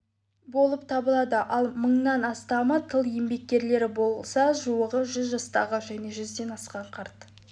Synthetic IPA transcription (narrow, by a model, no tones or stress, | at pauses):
bo̞lˠəp̚t̪ʰɑbəlˠɑd̪əʔɑlˠməɴnɑnɑst̪ɑmət̪ʰəlˠje̞mbe̞k̚kʲe̞ɾle̞ɾɪbo̞lˠsɑʒuəʁəʒʏzʒɑst̪ɑ̰ʁəʒæjne̞ʒʏzd̪e̞nɑsqɑɴqʰɑɾt̪